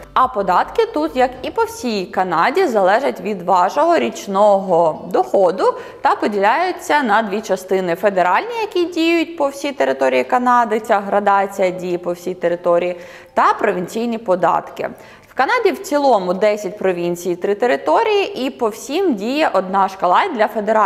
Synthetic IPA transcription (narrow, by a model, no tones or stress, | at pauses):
ɐpɔd̪ɑt̪kɪt̪ut̪jɐkipɔwsʲijkɐnɑdʲizɐlˠɛʒɐtʲʋʲid̪ʋɑʒɔɦɔɾʲit͡ʃnɔɦɔd̪ɔxɔd̪ʊ | t̪ɐpɔdʲilʲajʊt͡sʲːɐnɐd̪ʋʲit͡ʃɐst̪ɪnɪfed̪eɾɑlʲnʲijɐkʲidʲijʊt̚ʲpɔwsʲijt̪eɾɪt̪ɔɾʲijikɐnɑd̪ɪt͡sʲaɦɾɐd̪ɑt͡sʲijɐdʲijipɔwsʲijt̪eɾɪt̪ɔɾʲiji | t̪ɐpɾɔʋʲinʲt͡sʲijnʲipɔd̪ɑ̰t̪kɪ̰ | wkɐnɑdʲiwt͡sʲilˠɔmʊd̪ɛsʲɐt̚ʲpɾɔʋʲinʲt͡sʲijt̪ɾɪt̪eɾɪt̪ɔɾʲijiʔipɔwsʲimdʲijɛʔɔd̪̚nɑʃkɐlˠɑd̪ʲlʲɐfed̪eɾɑ